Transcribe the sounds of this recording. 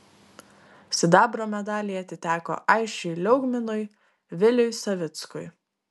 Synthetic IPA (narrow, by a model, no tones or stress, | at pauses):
sʲɪd̪ɑːbɾoːmʲɛd̪ɑːlʲiːjɐt̪ʲɪt̪ʲæːko̰ːʔɑɪʃʲt͡ʃʲɛɪlʲɛʊɡmʲɪnʊj | ʋʲɪlʲʊjsɐʋʲɪt̪skʊɪ